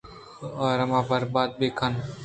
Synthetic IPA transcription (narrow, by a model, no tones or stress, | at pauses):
ɔːɾɐmãːbəɾbaːd̪̚beːkʰən